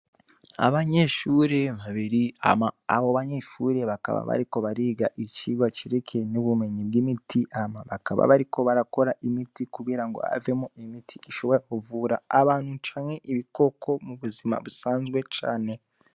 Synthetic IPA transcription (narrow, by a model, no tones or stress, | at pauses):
a̰βaɲe̞ʃuːɾe̞βaβiɾiaaaβoβaɲe̞ːʃuːɾe̞βaka̰βa̰βa̰ɾiko̞βaɾiːɡaʔiciːɡwat͡ʃiɾekʰe̞nuβume̞ɲibɡimitʰiʔamaβakaβa̰βaɾikʰo̞βaɾako̞ɾaʔimitikuɡɡiːɾaŋɡo̞̰a̰ve̞moimitʰiiʃo̞βo̞ɾakuvuːɾa̰ːβaːn̥hut͡ʃaːnŋe̞ʔiβiko̞ko̞muβuzima̰βusaːnzɡwe̞t͡ʃa̰ːne̞